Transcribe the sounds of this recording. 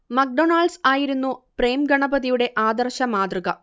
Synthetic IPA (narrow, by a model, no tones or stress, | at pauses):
mɐk̚ɖonaːɭɖsaːjiɾunːupre̞ːmɡɐɳɐbɐðijuɽe̞ʔaːd̪ɐrɕɐmaːd̪rɨɣɐ